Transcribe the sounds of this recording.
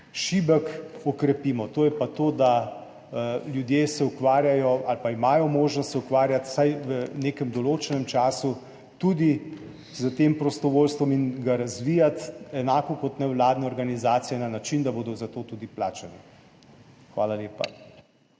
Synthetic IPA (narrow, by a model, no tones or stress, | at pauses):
ʃibəkɔkɾɛpiːmɔt̪oːjɛpat̪oːd̪a | ljud̪jeːsɛukʋaːɾjajɔalpaimaːjɔmoːʒnɔst̪sɛukʋaːɾjat̪sajʋəneːkɛmd̪ɔloːt͡ʃɛnɛmt͡ʃaːsu | t̪ud̪i | zət̪eːmpɾɔst̪ɔʋoːlst̪ʋɔminɡaɾazʋiːjat̪ɛnaːkɔkɔt̪nɛwlaːd̪nɛɔɾɡanizaːt̪sijɛnanat͡ʃind̪aboːd̪ɔzat̪oːt̪ud̪iplaːt͡ʃɛnɛ | xʋaːlaleːpa̰